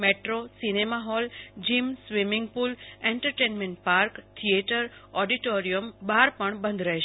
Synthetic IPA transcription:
meʈɾosinemaɦɔld͡ʒimsʋimiŋɡpulẽɳʈəɾʈenmeɳʈ̚paɾkt̪ʰieʈəɾɔɖiʈoɾijəmbaɾpəɳbə̃nd̪ʱɾəɦeʃ

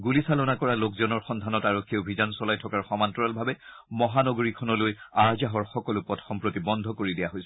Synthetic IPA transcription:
ɡulisalɔnakɔɹalokzɔnɔɹxɔndʱanɔtaɹokʰːiobʱizansɔlajtʰɔkaɹxɔmantɔɹalbʱabɛ | mɔɦanɔɡoɹikʰɔnɔlojaɹzaɦɔɹxɔkɔlʊpɔtxɔmpɹotibɔndʱɔkoɹidijaɦojsɛ

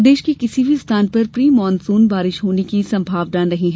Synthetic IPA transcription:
d̪eːʃkikɪsibʱist̪ʰaːnpɐɾpɾiːmɔːnsuːnbaːɾɪʃɦoːnekisɐ̃mbʱaːʋnanɐɦĩɦɛ

